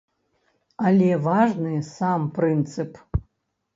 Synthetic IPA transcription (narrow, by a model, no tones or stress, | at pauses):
alʲevaʐnɨsamprɨnt̪sʰɨpʰʼ